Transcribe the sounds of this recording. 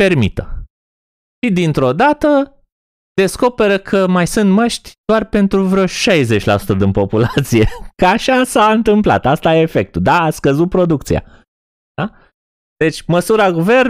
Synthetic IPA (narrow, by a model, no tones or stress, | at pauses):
pe̞rmit̪ə | ʃid̪int̪ɾo̞d̪at̪ə | d̪̥e̞sko̞pe̞ɾəkʰəmajsɨnt̪məʃt̪ʲd̪oarpe̞nt̪ɾuvɾeoʃajze̞t͡ʃʲla̰su̥t̪əd̪inpo̞pulat̪sije̞kaʃasaɨnt̪ɨmpla̰t̪ast̪ajeefe̞k̚t̪ud̪aːskəzut̪̚pɾo̞d̪uk̚t̪sija̰̥ | a | d̪e̞t͡ʃʲməsuɾaɡuve̞r